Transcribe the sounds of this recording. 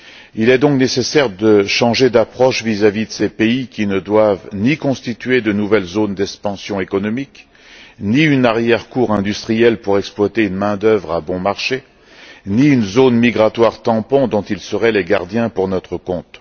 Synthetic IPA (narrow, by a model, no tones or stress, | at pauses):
ilɛd̪ɔ̃knesesɛʁd̪əʃɑ̃ʒed̪apχɔʃvizavid̪əsepeikʲinəd̪wavnikɔ̃st̪it̪yed̪ənuvɛlzond̪ɛkspɑ̃sjɔ̃ekɔnɔmik | niynaʁjɛʁkuʁɛ̃d̪yst̪χijɛlpuʁɛksplwat̪eynmɛ̃d̪œvʁabɔ̃maʁʃe | niynzonmiɡʁat̪waʁt̪ɑ̃pɔ̃d̪ɔ̃t̪ilsəʁɛleɡaʁd̪jɛ̃puʁnɔt̪χəkɔ̃t̪